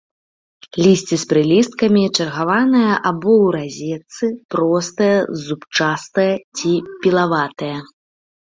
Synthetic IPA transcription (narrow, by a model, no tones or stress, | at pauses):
lʲisʲt͡sʲispɾɨlʲist̪̚kɐmʲit͡ʂɐrɣavanɐjɐʔabɔwɾazʲɛt̪sɨpɾɔst̪ɐjɐzupt͡ʂast̪ɐjɐt͡sʲipʲilˠavat̪ɐjɐ